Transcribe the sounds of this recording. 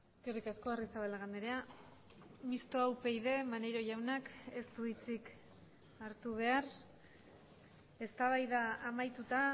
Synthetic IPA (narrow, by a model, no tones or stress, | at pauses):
eske̞rikaskoarisaβalaɣand̪eɾea | mist̪oawpe̞jðe̞manejɾo̞ʝawnake̞st̪uit͡sik | aɾt̪uβ̞e̞aɾ | e̞st̪aβajðaːmajt̪ut̪a